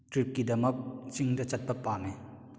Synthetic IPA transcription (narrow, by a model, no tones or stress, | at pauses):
tɾip̚kidɐmɐk̚t͡ʃiŋdɐt͡ʃɐt̚pɐpaːme